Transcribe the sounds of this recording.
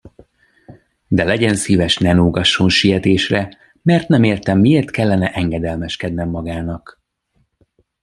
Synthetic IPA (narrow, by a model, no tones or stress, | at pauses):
d̪ɛlɛɟɛnsiːvɛʃnɛnuːɡɒʃːonʃijɛt̪eːʃrɛ | mɛrt̪nɛmeːrt̪ɛmːieːrt̪kɛlːɛnɛʔɛŋɡɛd̪ɛlmɛʃkɛd̪nɛmːɒɡaːnɒk